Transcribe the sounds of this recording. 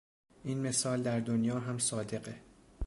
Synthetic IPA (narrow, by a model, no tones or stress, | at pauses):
ʔiːnme̞sɒːld̪æɾd̪onjɒːɦæmsɒːd̪e̞ɢe